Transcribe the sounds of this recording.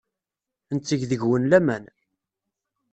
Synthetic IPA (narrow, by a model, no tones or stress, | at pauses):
ənt͡sːiʝðəʝwənlæmæn